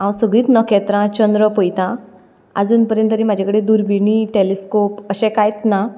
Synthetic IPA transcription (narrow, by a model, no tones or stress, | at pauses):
ãwsəɡɭiːt̪nəkɛt̪ɾãt͡ɕənd̪ɾəpəjt̪ã | a̰d͡zuːnpəɾjənt̪əɾimad͡ʑʱakəɽed̪uɾbʱiɳ̃iʈeleskopəɕɛ̃kajt̪na